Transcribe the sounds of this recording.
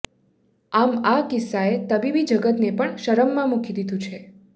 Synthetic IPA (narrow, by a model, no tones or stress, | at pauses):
amakɪsːaet̪əbibid͡ʒəɡət̪nepəɳʃəɾəmːãmukʰid̪id̪ʱũt͡ʃʰe